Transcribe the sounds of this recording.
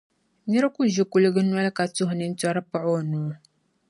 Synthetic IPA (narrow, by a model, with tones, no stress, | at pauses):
ɲɛ˦ɾku˦ʒi˦ku˨lɨ˦ɡɨ˦nwa˦lka˨tu˦ɦni˦n̩˦ta˦ɾpa˦ʔɔ˦˨nuː˨˦